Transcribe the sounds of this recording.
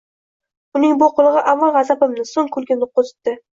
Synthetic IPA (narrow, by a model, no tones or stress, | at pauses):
ʊnɪŋbʊqʰʊlˠɨʁɨʔamːɑnʁɑzapɪmnɪsoŋkʰɵlˠɡʲɪnnɪqʰozɪ̥t̪ːɪ